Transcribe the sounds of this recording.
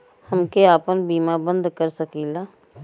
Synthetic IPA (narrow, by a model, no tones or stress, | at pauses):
həmkeaːpənbiːmabə̃nd̪kəɾsɐkiːlaː